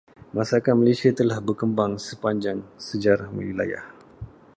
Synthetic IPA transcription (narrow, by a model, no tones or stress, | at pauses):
masakat̪̚malesiat̪əlahbərkəmbaŋsəpaɲd͡ʒaŋsəd͡ʒaɾahmə̰wila̰ja̰h